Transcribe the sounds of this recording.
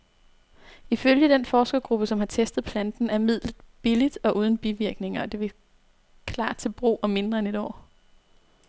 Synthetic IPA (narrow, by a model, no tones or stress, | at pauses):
iføljəd̥enfɒːsɡ̥ɐɡ̥ʁub̥əsɒ̽mhɑ̈t͡sʰesd̥ð̩ˠpʰlænd̥n̩æɐmið̞̰ˠlð̩ˠb̥ilid̥ɒ̽ʔuːð̞ˠn̩b̥iʋiɐɡ̥ne̝ŋɐɒ̽d̥e̝ʋe̝ | kʰlɑ̥̈ːt͡sʰe̝lb̥ʁo̝̰ːɒ̽me̝nd̥ʁɐene̝ɾ̥ɒ̰ː